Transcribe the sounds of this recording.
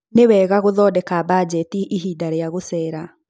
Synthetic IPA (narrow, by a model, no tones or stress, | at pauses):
newɛːɣaɣoðɔdɛkabad͡ʑɛtiʔiɦiːdaɾeaɣosɛːɾa